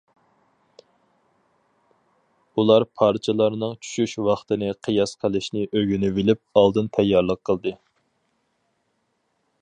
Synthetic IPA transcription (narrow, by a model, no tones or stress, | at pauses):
ulˠɑɾpʰɑɾt͡ʃʰɨlˠɑɾnɨŋt͡ʃʰy̥ʃyʃwɑχt̪ɨnɨqʰəjɑsqʰəlˠɨʃnɪʔøɡʲynyvilɪp̚ɑlˠd̪ɨnt̪ʰɛjːɑɾlˠəqʰːəlˠd̪ɨ